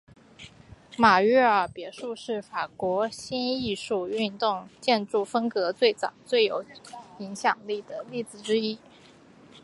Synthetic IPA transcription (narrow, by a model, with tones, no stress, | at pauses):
ma˨˩ɥɛ˥˩ə˞˨˩pjɛ˧˥ʂu˥˧ʂɻ̩˥˩fa˨˩kwɔ˧˥ɕi˥ni˥˧ʂu˥˧y˥˧nt̪ʊ˥˧ŋt͡ɕjɛ˥˧nʈ͡ʂu˥˩fə˥ŋkɤ˧˥t͡swe˥˩ɪt͡sɑ̰˨˩˦ʊt͡swe˥˩ɪjo˨˧˥ʊi˧˥ŋɕjɑ˨˩ŋli˥˩d̪ə˩li˥˩t͡sɹ̩˨˩ʈ͡ʂɻ̩˥i˥